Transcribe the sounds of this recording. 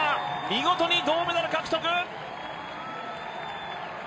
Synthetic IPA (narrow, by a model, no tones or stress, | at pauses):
mʲiɡo̞t̪oɲʲid̪o̞ːmed̪aɾɯ̟kakɯ̟̥t̪okɯ